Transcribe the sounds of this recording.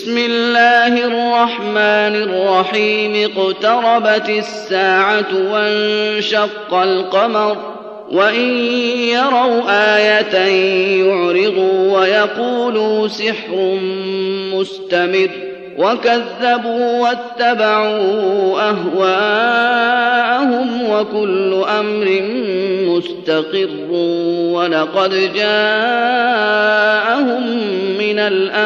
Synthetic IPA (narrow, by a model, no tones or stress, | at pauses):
bɪsmɪlːaːhɪɑrˤːɑħmaːnɪrˤːɑħiːmɪqt̪ɑɾˤɑbat̪ɪsːaːʕat̪wannʃɑqːɑlqɑmɑɾˤ | wʔaʔɪnjɑɾˤɑwʔaːjat̪ajʊʕɾɪd̪uwajɑquːluːsɪħɾ | mʊst̪amɪrː | wʔakaðːabuːwat̪ːabaʕuːʔaɦwaː | ʔahʊmwakʊlːʊʔamɾɪmʊst̪ɑqɪrːwɑlɑqɑd̪d͡ʒaː | ʔahʊmːɪnalʔa